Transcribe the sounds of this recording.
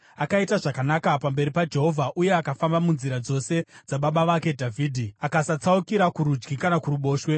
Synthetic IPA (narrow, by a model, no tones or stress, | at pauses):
akaitaʐakanakapambe̞ɾipad͡ʒe̞ɦo̞vʱaʔuje̞akafambamunziɾad͡zo̞se̞d͡zaɓaɓaʋake̞dʱavʱiːdʱiakasat͡saukiɾakuɾud͡ʒɡikanakuruɓo̞ːʃwe̞